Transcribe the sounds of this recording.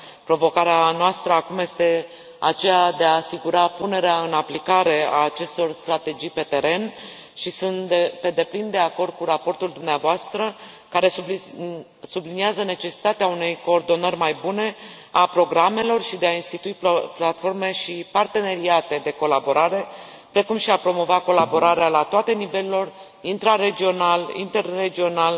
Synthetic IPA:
pɾo̞vo̞kaɾeanoast̪ɾəakumje̞st̪e̞ | a̰t͡ʃe̞jad̪e̞aːsiɡuɾapune̞ɾeaɨnaplikaɾe̞aːt͡ʃe̞st̪o̞rst̪ɾat̪e̞d͡ʒijpe̞t̪e̞ɾe̞n | ʃisunt̪d̪epe̞d̪e̞plind̪e̞ako̞rd̪̚kuɾapo̞rt̪uld̪umneavoast̪ɾə | kaɾe̞su | subliniazəne̞t͡ʃe̞si̥t̪at̪eaune̞jko̞ːrd̪o̞nərʲmajbune̞ | apɾo̞ɡɾame̞lo̞rʃid̪e̞ainst̪it̪uipplat̪fo̞rme̞ʃipart̪e̞ne̞ɾiat̪e̞d̪e̞ko̞labo̞ɾaɾe̞ | pɾe̞kumʃiapɾo̞mo̞vako̞labo̞ɾaɾealat̪oat̪e̞nive̞lelo̞r | int̪ɾaɾe̞d͡ʒio̞nalḭnt̪e̞rːe̞d͡ʒio̞nal

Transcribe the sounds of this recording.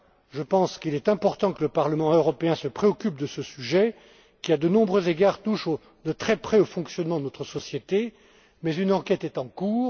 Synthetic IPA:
ʒəpɑ̃skilɛt̪ɛ̃pɔʁt̪ɑ̃kələpaʁləmɑ̃øʁɔpeɛ̃səpχeɔkʲyp̚d̪əsəsyʒɛ | kʲiad̪ənɔ̃bʁøzeɡaʁt̪uʃo | d̪ət̪χɛpχɛofɔ̃ksjɔnmɑ̃d̪ənɔt̪χəsɔsjet̪e | mɛzynɑ̃kʲɛt̪ɛt̪ɑ̃kuːʁ

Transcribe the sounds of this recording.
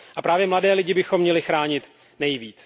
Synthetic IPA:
ʔapɾaːvjɛmladɛːlɪɟɪbɪxo̞mːɲɛlɪxɾaːɲɪt̪ | nɛjviːt͡s

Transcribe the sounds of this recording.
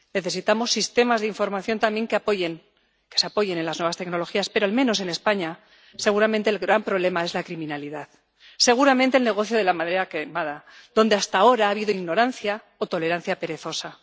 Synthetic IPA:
ne̞θe̞sit̪amo̞sːist̪e̞mazðeiɱfo̞ɾmaθjo̞nt̪ambje̞ŋkeapoʝen | keseapo̞ʝe̞ne̞nlaznweβast̪e̞kno̞lo̞xiaspeɾo̞almẽ̞no̞s̬e̞ne̞spaɲa | se̞ɣ̞uɾamẽ̞nt̪e̞ːlɣɾampɾo̞βle̞mae̞zlakɾimĩnaliðað | se̞ɣ̞uɾament̪elne̞ɣ̞o̞θjoð̞e̞lamaðeɾakemaða | ðo̞nd̪e̞ast̪ao̞ɾaaːβ̞iðoiɣno̞ɾan̟θja | ot̪o̞le̞ɾan̟θjape̞ɾe̞θo̞sa

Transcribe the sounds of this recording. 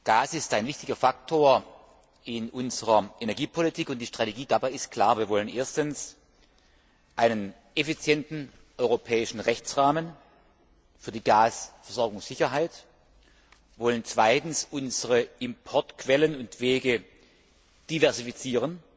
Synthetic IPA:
ɡ̥aːsɪstaɪnvɪçtɪɡɐfak̚tʰoːɐ | ɪnʔʊnzəʁɐʔenɛɐɡiːpʰolitʰiːkʊntd̥iːʃtʁ̥ateɡiːdabaɪɪst̚kʰl̥aːɐviːɐvɔlənʔeːɐstəns | ʔaɪnən | ʔefit͡sjɛntn̩ | ʔɔʏʁopʰɛːɪʃn̩ʁɛçt͡sʁaːmən | fyːɐdiːɡaːsfɛɐzɔɐɡʊŋsz̥ɪçɐɦaɪt | vɔlənt͡sv̥aɪtn̩sʊnzəʁəɪmpʰɔɐtkv̥ɛlənʊntv̥eːɡə | d̥ivɛɐzifit͡siːʁən

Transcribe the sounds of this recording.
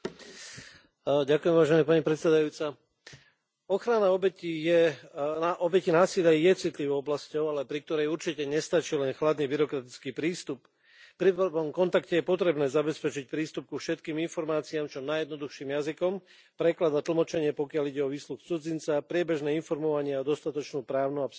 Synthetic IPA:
ɟakujɛmʋaːʒɛnɛpaɲipɾɛt̪sɛd̪ajuːt͡sa | ɔxɾanaɔbɛcijɛ | ʔɔbɛcinaːsilɪjajɛt͡sit̪liʋɔʊɔblascɔʊalɛpɾik̚t̪ɔɾɛjuɾt͡ʃicɛɲɛst̪at͡ʃilɛnxlad̪nibiɾɔkɾat̪it͡skiːpɾiːst̪up | pɾiɔmkɔnt̪akcɛjɛpɔt̪ɾɛbnɛːzabɛspɛt͡ʃic̚pɾiːst̪up̚kufʃɛt̪kiːminfɔɾmaːt͡siaːmt͡ʃɔnajɛd̪nɔd̪uxʃiːmjazikɔm | pɾɛklad̪at̪l̩mɔt͡ʃɛɲɪɛpɔkɪaliɟɛɔʋiːsluxt͡sud͡zint͡sapɾɪɛbɛʒnɛːinfɔɾmɔʋaɲɪɛɔd̪ɔst̪at̪ɔt͡ʃnuːpɾaːʊnuap

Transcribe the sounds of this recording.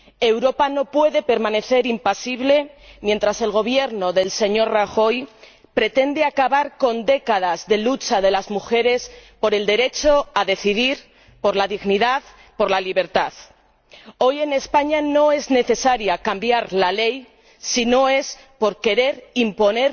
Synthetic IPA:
e̞wɾo̞pano̞pwe̞ðe̞pe̞ɾmãne̞θe̞ɾimpasiβle̞mje̞nt̪ɾase̞lɣ̞o̞β̞je̞ɾno̞ðe̞lse̞ɲo̞ɾraxo̞j | pɾe̞t̪e̞nd̪eakaβaɾko̞nd̪e̞kað̞azðe̞lut͡ʃaðe̞lazmuxe̞ɾe̞spo̞ɾe̞ld̪e̞ɾe̞t͡ʃo̞aðe̞θiðiɾ | po̞ɾlaðiɣniðað | po̞ɾlaliβ̞e̞ɾt̪að | o̞je̞ne̞spaɲano̞e̞zne̞θe̞saɾjakambjaɾlale̞j | sino̞e̞s | po̞ɾke̞ɾe̞ɾimpo̞ne̞ɾ

